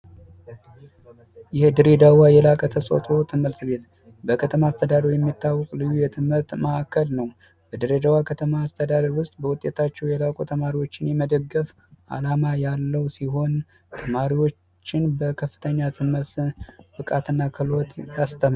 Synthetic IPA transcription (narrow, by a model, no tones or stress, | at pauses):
jɪhd̪ɨɾed̪awajɛlakʼət̪ʰəsʼo̰t̪ʼo̞t̪ʰɨmɨɾt̪be̞t̪ | bəkʰət̪ʰəmaːst̪ʰəd̪ad̪əɾjɛmːit̪ʰːawːɔkʼlɨjːujɛt̪ʰɨmɨɾt̪məʔakʰːəlnəw | bəd̪ɨɾed̪awakʰət̪ʰəmaːst̪ʰəd̪ad̪əɾwʊst̪ʼbəwʊt̪ʼe̞t̪ʰat͡ʃːɛwjɛlakʼot̪ʰəmaɾiwo̞t͡ʃːɪnjɛməd̪əɡːəf | ʔa̰lamajalːəwsiɦo̞n | t̪ʰəmaɾiwo̞t͡ʃt͡ʃːɪnbəkʰəfːɨ̥t̪ʰəɲːat̪ʰɨməɾt̪b̥ɨkʼat̪ɨnːakʰɨlo̞t̪jast̪ʰəm